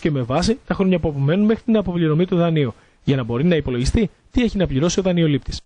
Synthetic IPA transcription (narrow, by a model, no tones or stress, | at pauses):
ce̞me̞vɐsit̪ɐxɾo̞ɲɐpuɐpome̞nunme̞xɾit̪inɐpo̞pliɾo̞mit̪uðɐniu | ʝɐnɐbo̞ɾinɐipo̞loʝist̪i | t̪ie̞çinɐpʎiɾo̞sio̞ðɐnio̞lip̚t̪i̥s